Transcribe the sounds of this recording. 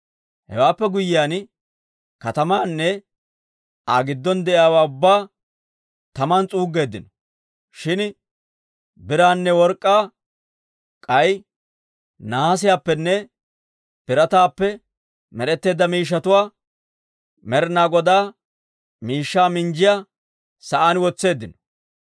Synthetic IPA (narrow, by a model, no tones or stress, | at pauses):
hɛ̰waːpːɛɡʊjɪjaːn | kɐt̪ɐmaːnːɛ | aːɡɪd̪ːɔnd̪ɛʔɪjaːwaːʊbːaː | t̪ɐmɐnt͡sʼuːɡːe̞ːd̪ːɪnɔ̥ | ʃɪn | bɪɾaːnːɛwɔɾkʼːaː | kʼɐj | naːs̬ɪjaːpːɛnːɛ | pɪɾɐt̪aːpːɛ | mɛɾɛt̪ːe̞ːd̪ːɐmiːʃ̬ːɐt̪ʊwaː | mɛɾɪnaːɡɔd̪aː | miːʃːaːmɪnd͡ʒɪja | sɐʔanwɔt͡sːe̞ːd̪ːɪnɔ̥